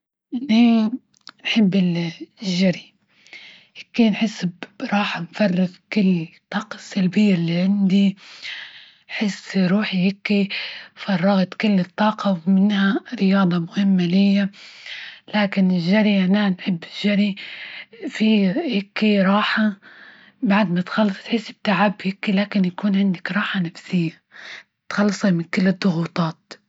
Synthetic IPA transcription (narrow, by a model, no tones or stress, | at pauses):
ʔɪnːi | nħɪbːɪlʒːaɾi | hɪkːinħɪsːbɾˤɑːħamfɑrˤːɪɣkʊlːt̪ˤːɑːqɑsːalbɪjːalːiʕɪnd̪i | ħɪsɾuːħihɪkːifɑrˤːɑɣt̪kʊlːɨt̪ˤːɑːqɑwmɪnhaɾɪjɑːd̪ˤɑmʊhɪmːalɪjːa | laːkɪnɪʒːaɾiʔananħɪbːɪʒaɾi | fihɪkːiɾˤɑːħa | baʕd̪mat̪xɑlːɑsˤt̪ħɪsːɪb̚t̪aʕabhɪkːilaːkɪnjakuːnʕɪnd̪ɪkɾˤɑːħanafsɪjːa | ɪt̪xɑlːsˤimɪnkɪlːɪd̪ˤːʊɣuːt̪ˤɑːt̪